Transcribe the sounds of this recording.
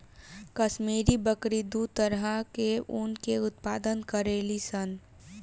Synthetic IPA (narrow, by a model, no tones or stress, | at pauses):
kɐʃmiːɾibəkɾid̪ut̪əɾɦəkeʊnkeʊt̪paːd̪ənkɐɾeːlisɐn